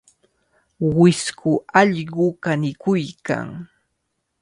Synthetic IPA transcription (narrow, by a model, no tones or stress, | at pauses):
wɪskʊɑʎɢʊkanɪkʊjka̰ŋ